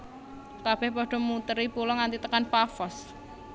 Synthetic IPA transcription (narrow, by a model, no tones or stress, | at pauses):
kab̥ɛhpɔɖ̥ɔ̤mut̪əɾipulɔŋant̪it̪əkanpafɔs